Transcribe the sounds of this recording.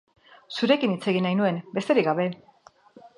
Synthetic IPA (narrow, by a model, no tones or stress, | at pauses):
suɾe̞kinit͡se̞ɣ̞inajnue̞mbe̞st̪e̞ɾiɡaβe̞